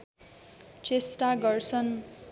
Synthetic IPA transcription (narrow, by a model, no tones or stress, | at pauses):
t͡sesʈaɡʌrt͡sʰʌn